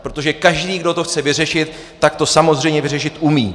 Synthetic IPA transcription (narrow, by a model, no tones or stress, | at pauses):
pɾo̞t̪o̞ʒɛkaʒdiːɡdo̞t̪oxt͡sɛvɪr̝ɛʃɪt̪ː | akt̪o̞samozr̝ɛjmɲɛvɪrɛʃɪt̪ʔumiː